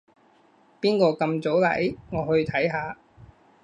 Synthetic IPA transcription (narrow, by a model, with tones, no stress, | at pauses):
piː˥nkɔː˧kɐ˧mt͡so˨˥wlɐ̰˨˥jŋɔː˨˧hɵ˧ɥt̪ʰɐ˨˥jɦaː˨˧